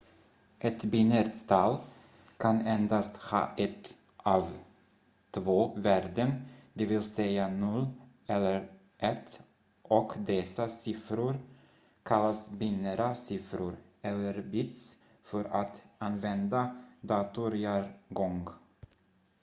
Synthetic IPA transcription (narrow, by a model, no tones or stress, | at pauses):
ʔɛt̪bɪnəɾt̪ʰɑl | kʰanɛnd̪ast̪hɑ̰ːʔɛt̪ | ʔɑːv | t̪ʰvoːvæːɾɖənd̪ɛvɪlsɛjanɔlː | ɛlːəɾ | ʔɛt̪ː | ʔɔkd̪ɛsasɪfɾʊɾ | kʰalːasbɪnəɾasɪfɾʊɾ | ɛlːəɾbɪt̪s | fœɾat̪anvɛnd̪ad̪ɑːt̪ʊɾɪaɾɡɔŋɡ